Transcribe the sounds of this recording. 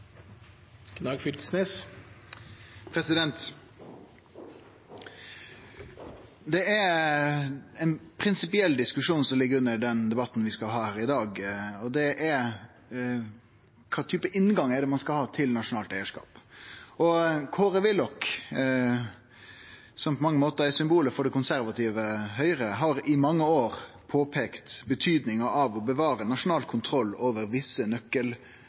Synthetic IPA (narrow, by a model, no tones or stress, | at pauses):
knɑːɡfʏlkə̥snes | pʰɾɛsɪd̪ɛnt̪ | d̪ɛæɾ | ɛnpʰɾɪnsɪpɪɛlːd̪ɪskʉʂuːnsɔmlɪɡːəɾʉnːəɾɖɛnd̪ɛbɑt̪ːn̩ʋɪskɑlɦɑːhæːɾɪd̪ɑːɡɔd̪ɛʔæɾ | kʰɑːt̪ʰyːpəʔɪnɡɑŋæɖɛmɑnskɑlhɑːt̪ʰɪlnɑʂʊnɑːlt̪æɪəʂkɑ̰ːpɔkʰoːɾəʋɪlɔk | sɔmpʰɔmɑŋːəmoːt̪əɛsʏmbuːləfɔɖɛkʊnsæɾʋɑt̪ʰiːʋəɦœʏɾəɦɑɾɪmɑŋːəoːɾ | pʰoːpʰeːkt̪bət̪ʰyːd̪nɪŋəʔɑʋɔbəʋɑːɾənɑʂʊnɑːlkʰʊnt̪ʰɾɔlːoːʋəɾʋɪsːənœkːəl